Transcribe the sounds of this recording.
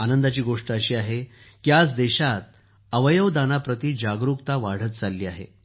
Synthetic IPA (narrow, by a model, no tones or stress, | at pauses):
anənd̪at͡ɕiːɡoʂʈəəɕiːaɦe | kiat͡sd̪ɛɕat̪̚ | əʋəjəʋd̪anapɾət̪iːd͡ʑaɡɾukt̪aʋaɽ̤ət̪̚t͡salːiːaɦḛ